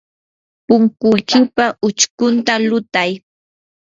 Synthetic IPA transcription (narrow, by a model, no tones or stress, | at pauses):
pʊŋkʊjkɪpaʔʊt͡ʃkʊnt̪alʊt̪aj